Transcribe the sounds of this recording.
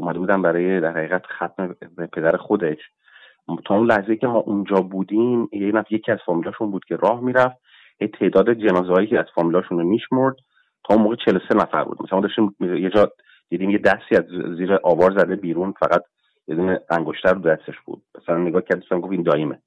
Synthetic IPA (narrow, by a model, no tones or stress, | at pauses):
omæd̪ebuːd̪æmbæɾɒːjed̪æɾhæɣiːɣæt̪xæt̪mebepʰe̞d̪æɾexo̞d̪e̞ʃ | t̪ʰɒːunlæhzejicʰemɒːʔund͡ʒɒːbuːd̪imjenæfjecʰiæz̥fɒːmilɒːʃunbuːd̪̥̚cʰe̞ɾʔɒːhmiːɾæfd̪̚ | hejt̪ʰe̞ːd̪ɒːd̪e̞d͡ʒe̞nɒːzeɒːjiːcʰeæz̥fɒːmilɒːʃunmiʃmoɾd̪̥ | t̪ʰɒːunmoːɣet͡ʃʰe̞losenæfæ̰ɾbṵd̪mæslæmɔd̪ɒʃt̪imjed͡ʒɒː | d̪̥iːd̪iːmjed̪æsiːæzziːɾeʔɒːvɒːɾzæd̪ebiːɾuːnfæ̰ɣæt̪̚ʰ | jed̪uːneæŋɡoʃt̪ʰæɾod̪æst̪e̞ʃb̥ṵːd̪̥̚mæsælænːeɡɒːhcʰæɾd̪ɔsʃæmɡofind̪ɒːjeme